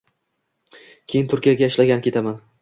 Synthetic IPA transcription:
kʲʰejɪnt̪ʰʊɾkʲijaɡʲaɪʃlaɡʲankʰʲe̞t̪ʰaman

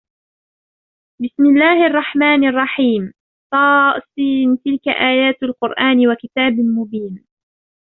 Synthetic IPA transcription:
bɪsmɪlːaːhʔɑrˤːɑħmaːnɑrˤːɑħiːm | t̪ˤɑːsˤiːnt̪ɪlka̰ʔaːjaːt̪alqʊɾʔaːnwakɪt̪aːbmʊbiːn

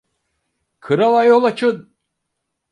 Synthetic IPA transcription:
kʰɯɾalˠajolˠat͡ʃʰɯn

